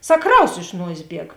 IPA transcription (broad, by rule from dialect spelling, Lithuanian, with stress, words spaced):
ˈsɐk ˈkrɐʊs ɪʃ ˈnuɔsʲeːs ˈbʲiɛk